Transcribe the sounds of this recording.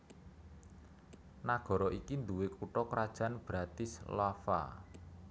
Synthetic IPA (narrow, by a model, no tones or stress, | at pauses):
naɡ̥ɔ̤ɾɔʔikind̪uwekuʈɔkɾad̥ʒ̥a̤nb̥ɾat̪ɪslafa̰